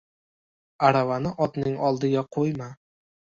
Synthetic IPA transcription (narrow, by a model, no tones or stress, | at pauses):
aɾavanɪʔɒt̪nɪŋɒlˠd̪ɪɡʲaqʰojma